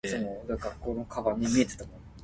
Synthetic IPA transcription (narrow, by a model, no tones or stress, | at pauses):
sonod̪aɡakːo̞ːno̞kʰaβaɲ̟ːimʲie̞t̪et̪amo